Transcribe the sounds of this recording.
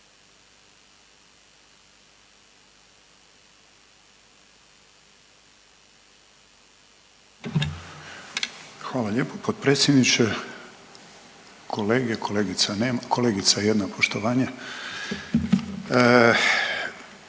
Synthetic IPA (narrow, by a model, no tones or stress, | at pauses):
xʋaːlaʎe̞ːpopod̪̚pɾeːt̪sjed̪nit͡ʃe | kʰo̞leːɡekʰoleːɡit̪saneːmkʰo̞leːɡit̪saejed̪napʰo̞ʃt̪oʋaːɲa